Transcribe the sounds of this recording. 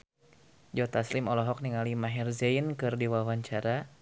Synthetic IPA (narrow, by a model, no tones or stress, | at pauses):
d͡ʒɔt̪aslɪmɔlɔɦɔk̚niŋalimaɦɛrzɛinkɨrdiwawaɲt͡ʃaɾa